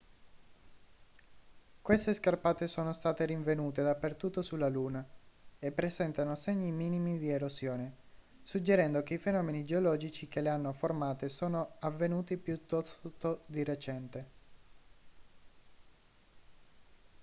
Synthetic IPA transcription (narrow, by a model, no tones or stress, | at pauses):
kwest̪eskarpaːt̪esoːnost̪aːt̪eɾiɱvenuːt̪ed̪apːert̪ut̪ːosulaluːnaepːɾezɛnt̪anoseɲːimiːnimid̪ieɾozjoːne | sud͡ʒːeɾɛnd̪ok̟eifenɔːmenid͡ʒeolɔːd͡ʒit͡ʃikeleanːoformaːt̪esoːnoavːenuːt̪ipjut̪ːɔst̪od̪iret͡ʃɛnt̪e